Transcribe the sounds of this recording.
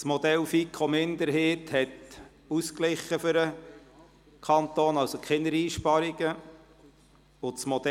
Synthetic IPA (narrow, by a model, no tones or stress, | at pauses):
smod̥̪ɛlfikʰomɪnd̪əɾɦeːthɛt | usklɪχːəfʏɾə | kʰɑnt̪oːnɑwsokχɪnəɾiːʃpɑɾiɡə | ʊsmɔd̥̪ɛ